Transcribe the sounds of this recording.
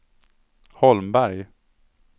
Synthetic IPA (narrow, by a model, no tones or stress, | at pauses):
hɔlmbæɾj